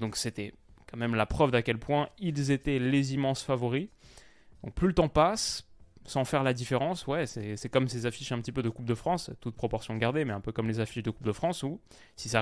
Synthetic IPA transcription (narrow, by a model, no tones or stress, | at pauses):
d̪ɔ̃kset̪ɛ | kɑ̃mɛmlapχœvd̪akʲɛlpwɛ̃ilzet̪ɛlezimɑ̃sfavɔʁi | d̪̥ɔ̃k̚plylət̪ɑ̃pasː | ɑ̃fɛʁlad̪ifeʁɑ̃swɛsɛsɛkɔmsezafiʃɛ̃pət̪ipød̪əkup̚d̪əfχɑ̃st̪ut̪̚pχɔpɔʁsjɔ̃ɡaʁd̪emɛɛ̃pøkɔmlezafiʃd̪əkup̚d̪əfχɑ̃su | sisa